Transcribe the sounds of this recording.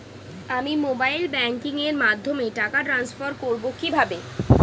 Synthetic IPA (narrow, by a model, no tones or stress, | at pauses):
amimobajlbɛŋkiŋeɾmad̪ʱːomeʈakaʈɾansfaɾkoɾbokibʱabe